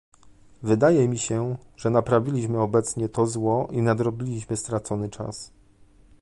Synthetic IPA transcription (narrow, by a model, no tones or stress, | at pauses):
vɘd̪ajɛmʲiɕɛʐɛnapɾavʲilʲiɕmɘɔbɛt̪sɲɛt̪ɔzwɔʔinad̪ɾɔbʲilʲiɕmɘst̪ɾat̪sɔnɘt͡ʂa̰s